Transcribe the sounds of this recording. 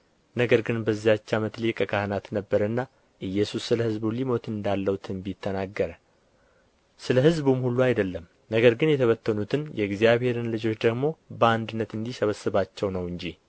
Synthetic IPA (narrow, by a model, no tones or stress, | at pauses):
nəɡəɾɡɨnbəzːijat͡ʃːamət̪likʼəkʰahnat̪nəbːəɾənːa | ʔɨjːɛsusːɨləhɨzbulimo̞t̪ɨnd̪alːəwut̪ʰɨnbjt̪ʰːənaɡːəɾə | sɨləhɨzbumhulːuajd̪əlːəm | nəɡəɾɡɨnjɛt̪ʰəβət̪ːənut̪ʰɨnjɛɡzjaβhe̞ɾɨnlɨd͡ʒo̞t͡ʃːd̪əɡmo̞bəand̪ɨnːət̪ɨnd̪ihsəβəsːɨβat͡ʃːɛwnəwɨɲd͡ʒi